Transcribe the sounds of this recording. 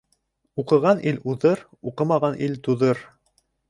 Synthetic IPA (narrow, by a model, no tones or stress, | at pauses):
uqɤ̆ʁɑnʔiluðɤɾ | uqɤmɑʁɑnʔilt̪uðɤɾ